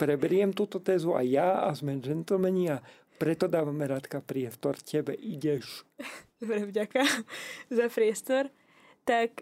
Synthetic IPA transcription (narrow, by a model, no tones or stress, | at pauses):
pɾɛbɛɾɪɛmt̪uːt̪ɔt̪ɛːzua̰jaazmɛnʒɛnt̪l̩mɛɲia | pɾɛt̪ɔd̪aːʋamɛɾat̪kapɾɪɛst̪ɔɾcɛbɛʔiɟɛʃd̪ɔbɾɛvɟakazapɾɪɛst̪ɔɾ | t̪ak